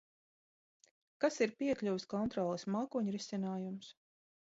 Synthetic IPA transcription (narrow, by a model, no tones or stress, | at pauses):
kasiɾpiɛkʎʲuwskɔnt̪ɾɔːlˠɨsmakuːɲɾisʲinaːjums